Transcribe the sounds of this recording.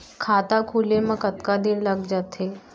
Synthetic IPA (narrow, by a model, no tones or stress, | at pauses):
kʰat̪akʰuleməɡət̪kad̪iːnlaɡd͡ʑat̪ʰe